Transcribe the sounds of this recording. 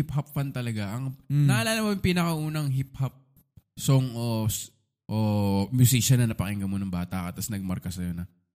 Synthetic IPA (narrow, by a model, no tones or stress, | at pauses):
ip̚hɐpfant̪ɐlɐɡaʔɐŋɐʔɐlaːlɐmɐjɐŋpiːnɐkɐʔuːnɐŋɦip̚hɐp̚ | soŋo | ʔomjʊsiːʃɐnɐnɐpɐʔɪŋɡɐmonɐŋbaːt̪ɐʔkɐt̪ɐsnɐɡ̚mɐɾkɐsɐjonɐ